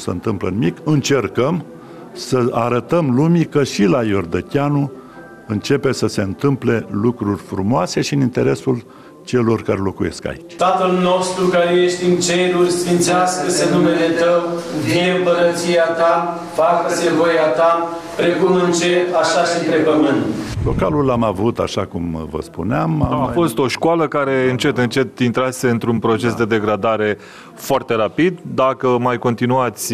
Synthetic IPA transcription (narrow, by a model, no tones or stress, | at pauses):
sə̰ɨnt̪ɨmplə̰nimikɨnt͡ʃe̞rkəm | səaɾət̪əmlumʲikəʃilajord̪ət̪ʲanu | ɨnt͡ʃe̞pe̞səse̞ɨnt̪ɨmple̞lukɾurʲfɾumoase̞ʃiɨnint̪e̞ɾesul | t͡ʃe̞lo̞rkaɾelo̞kuje̞ska̰it͡ʃʲt̪at̪əlno̞st̪ɾukaɾejeʃt̪ʲɨnt͡ʃeɾurʲsfint̪sɪaskəsənumelet̪əwd̪iempəɾət̪siat̪a | fakəsevojat̪a | pɾe̞kumɨnt͡ʃeaʃaʃint̪ɾe̞pəmɨnt̪lokalulamavut̪a̰ʃakumvə̰spṵneamaafo̞st̪o̞ʃkwaləkaɾe̞ɨnt͡ʃe̞t̪ɨnt͡ʃe̞t̪int̪ɾase̞ɨnt̪ɾunpɾo̞t͡ʃe̞sd̪e̞d̪e̞ɡɾad̪aɾe̞ | foart̪e̞ɾapid̪d̪akəmajko̞nt̪inuat̪sʲ